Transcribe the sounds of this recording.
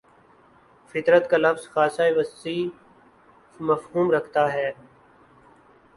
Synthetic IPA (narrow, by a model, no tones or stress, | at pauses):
fɪt̪ɾət̪kalɐfzxaːsaeʋəsiː | mɐfɦuːmɾɐkʰt̪aɦɛː